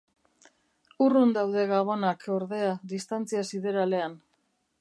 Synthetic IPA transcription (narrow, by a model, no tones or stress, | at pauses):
urund̪awð̞e̞ɣaβo̞nakʰo̞ɾðe̞aðist̪ant͡siasiðe̞ɾale̞an